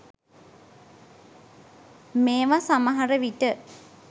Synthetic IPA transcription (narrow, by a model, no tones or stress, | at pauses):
meːʋasamaɦaɾəʋiʈə